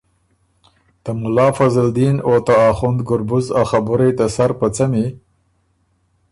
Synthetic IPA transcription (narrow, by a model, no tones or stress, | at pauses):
d̪̥əmʊlɑːfazald̪inot̪aːxʊnd̪ɡʊɾbʊzaxabʊɾajt̪asaɾpət͡sami